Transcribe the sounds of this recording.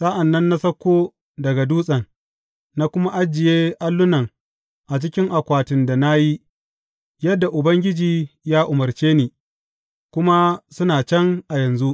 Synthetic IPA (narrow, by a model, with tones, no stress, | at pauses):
sʼa˦ʔa˨nːɐ˦nːa˦sɐ˦kʷːoː˦ | dɐ˨ɡa˨duː˦sʼɐ˨nː | a˦kʷʊ˦ma˦ʔa˦d͡ʒɪ˨jeː˦ʔa˦lːʊ˦nɐ˨ŋ | ʔa˨t͡ʃɪ˦kʲɪ˦ŋʔa˨kʷaː˨tɪ˨nda˨na˦ji˦ | jɐ˦dːa˨ʔʊ˨bɐ˦ŋɡʲɪ˦d͡ʒiː˨jaː˦ʔʊ˨mɐ˨rt͡ʃeː˦niː˨ | kʷʊ˦ma˦sʊ˦naː˨t͡ʃɛ˦ŋʔa˨jɐ˨nzu˦ʔ